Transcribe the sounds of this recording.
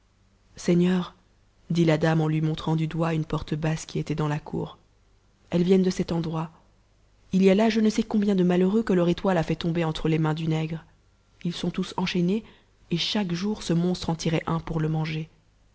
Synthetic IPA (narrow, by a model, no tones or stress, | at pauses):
sɛɲœːʁ | d̪ilad̪amɑ̃lɥimɔ̃t̪χɑ̃d̪yd̪waynpɔʁt̪əbaskʲiet̪ɛd̪ɑ̃lakʰṵːʁ | ɛlvjɛnd̪əsɛt̪ɑ̃d̪ʁwa | ilialaʒənəsɛkɔ̃bjɛ̃d̪əmaløʁøkəlœʁet̪walafɛt̪ɔ̃beɑ̃t̪χəlemɛ̃d̪ynɛɡʁ | ilsɔ̃t̪usɑ̃ʃɛne | eʃakʒuʁsəmɔ̃st̪χɑ̃t̪iʁɛʔɛ̃puʁləmɑ̃ʒe